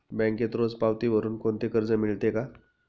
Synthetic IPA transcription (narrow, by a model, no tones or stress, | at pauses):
bɛ̃ŋket̪ɾod͡zpawt̪iːʋəɾuːnkoɳt̪ekəɾd͡zəmiɭt̪eka